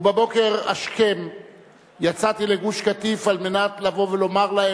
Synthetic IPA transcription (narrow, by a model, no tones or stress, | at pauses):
babo̞ke̞ʁa̰ʃke̞m | jat͡sat̪ile̞ɡuʃkat̪ifalme̞natlavo̞velo̞maʁlae